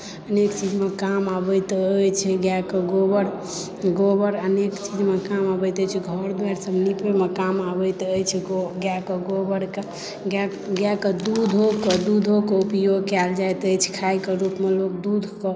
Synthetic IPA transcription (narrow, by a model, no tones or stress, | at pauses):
ənekt͡ʃid͡ʒmekamabəjt̪əjt͡ʃʰɛɡjakəɡobəɾ | ɡobəɾənekt͡ʃid͡ʒmekamabəjt̪əjt͡ʃʰɛɡʱəɾd̪aɾsəbnipemekamabəjt̪əjt͡ʃʰɛoɡjakəɡobəɾke | ɡa | ɡjakəd̪ud̪ʱɦokəd̪ud̪ʱɦokeupjoɡkɛld͡ʒajt̪əjt͡ʃʰɛ̥kʰajkeɾupmelok̚d̪ud̪ʱkɔ